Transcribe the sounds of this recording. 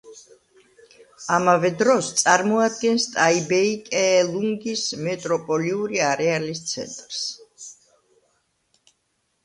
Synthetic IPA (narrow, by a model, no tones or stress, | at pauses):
amavɛd̪ɾɔst̪sʼaɾmɔad̪̚ɡɛnst̪ʼaibɛikʼɛːlˠuŋɡismɛt̪ʼɾɔpʼɔliuɾiaɾɛalist̪sʰɛ̰nt̪ʼɾs